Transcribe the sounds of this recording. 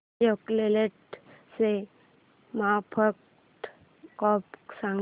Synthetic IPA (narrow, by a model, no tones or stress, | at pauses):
okleleʈse | mapʰək | ʈ | kɔpksãŋ